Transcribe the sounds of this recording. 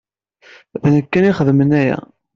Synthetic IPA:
vnəkːæniχəðmənæjæ̰

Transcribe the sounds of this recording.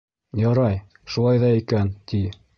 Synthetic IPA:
jɑɾɑj | ʃulˠɑjðɑikænt̪i

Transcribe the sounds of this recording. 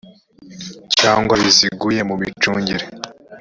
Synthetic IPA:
caːŋɡwaβiziɡuje̞muβit͡ʃuːɲɟiɾe

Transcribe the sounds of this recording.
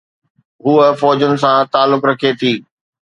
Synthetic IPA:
ɦuːəfɔːd͡ʑʊnɪ̆s̬ãt̪aːlːʊkɾɐkʰet̪ʰiː

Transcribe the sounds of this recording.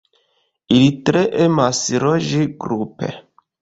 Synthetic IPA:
ilitɾeʔemasiɾoʒiɡɾupḛ

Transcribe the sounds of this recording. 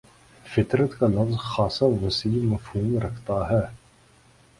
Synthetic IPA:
fɪt̪ɾət̪kalɐfzxɑːsɐwɐsilimɐfhuːmɾɐkʰt̪ɑːɦɛ

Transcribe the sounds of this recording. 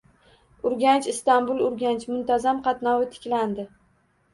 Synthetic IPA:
ʊɾɡʲant͡ʃɪst̪anbʊlˠʊɾɡʲant͡ʃmʊnt̪ʰazamqʰɑt̪nɒwɪt̪ʰɪ̥kʲland̪ɪ

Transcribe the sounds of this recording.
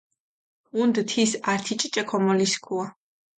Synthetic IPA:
und̪t̪ʰisaɾt̪ʰit͡ʃʼt͡ʃʼɛkʰɔmɔliskʰua

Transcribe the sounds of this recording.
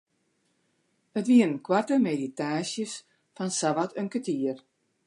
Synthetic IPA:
ətʋiənkwartəmeditaːsjəs | fansavatønkətiər

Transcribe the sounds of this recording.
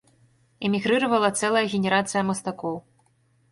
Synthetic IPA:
ɛmʲiɣɾɨɾɐvɐlˠɐt̪sɛlˠɐjɐɣʲenʲɛɾat̪sɨjɐmɐst̪akɔw

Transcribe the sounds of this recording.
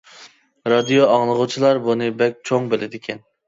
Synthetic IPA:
ɾɑd̪ijoɑŋlˠəʁʊt͡ʃʰilˠɑɾbunɨbɛk̚ʲt͡ʃʰoŋbelʔɪd̪ɪkʲʰɛn

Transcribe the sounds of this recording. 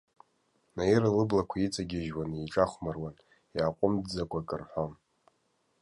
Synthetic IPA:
najiralɨblakʷʰait͡sʼaɡʲɪʒwaniʈ͡ʂʼaχʷmarwan | jaqʷʼʊmd͡zakʷʰakʼɨrħʷan

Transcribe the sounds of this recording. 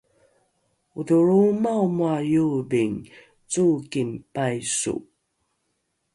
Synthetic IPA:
uðuɾumawmwajubiŋ | t͡sukimpajsṵ

